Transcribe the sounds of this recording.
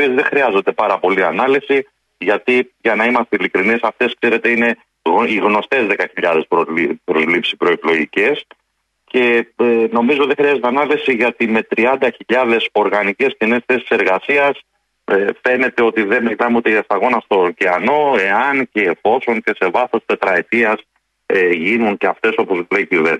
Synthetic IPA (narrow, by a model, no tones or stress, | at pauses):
iezðe̞xɾiɐzo̞nd̪e̞pɐɾɐpo̞liɐnɐlisi | ʝɐt̪iʝɐnɐimɐst̪eilikɾinisɐft̪e̞skse̞ɾe̞t̪e̞ine̞ | iɣno̞st̪e̞zðe̞kɐçiʎɐðe̞spɾopɾo̞zlipsipɾo̞eklo̞ʝice̞s | ce̞eno̞mizoðexɾiɐzeeɐnɐlisiʝɐt̪ime̞t̪ɾiɐnd̪ɐçiʎɐðe̞so̞ɾɣɐnice̞scinesθe̞si̥se̞ɾɣɐsiɐs | efe̞ne̞t̪e̞o̞t̪iðemiʝinɐmeut̪eʝɐst̪ɐɣo̞nɐst̪o̞ciɐno̞e̞ɐnce̞ːfo̞so̞ŋce̞se̞vɐθo̞st̪e̞t̪ɾɐet̪iɐs | eʝinunceɐft̪e̞sopo̞zuleiciven